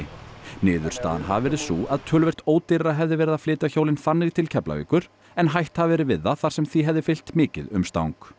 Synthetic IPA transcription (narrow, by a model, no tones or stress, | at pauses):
nɪːðʏɾ̥st̪a̰ːða̰nɦa̰vvɛːɾɪðsuːʔaðt̪ʰœːlvɛr̥t̪oːwt̪ɪɾɾaɦɛvðɪvɛːɾɪðaflɪːt̪açowlɪnfanːɪɣt̪ʰɪlcʰɛpla̰vḭːkʏɾ | ɛnɦajht̪havvɛːɾɪvɪðːaθaɾ̥sɛmθiɦɛvðɪfɪl̥t̪mɪːcɪ̰ðʏ̰mst̪a̰wŋk